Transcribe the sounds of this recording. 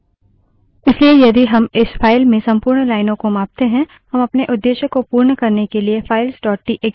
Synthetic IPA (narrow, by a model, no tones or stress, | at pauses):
ɪsliejɐd̪iɦɐmɪsfʰaːɪlmẽsɐ̃mpuːɾɳlaːɪnõkomãːp̚t̪eɦɛ̃ | hɐmɐpneʔʊd̪ːeːʃəkːopuːɾɳəkɐɾnekeliefʰaːɪlsʈɔːʈʈiʔeː